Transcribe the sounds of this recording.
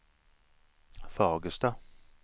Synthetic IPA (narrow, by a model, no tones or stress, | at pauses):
fɑːɡəst̪ɑ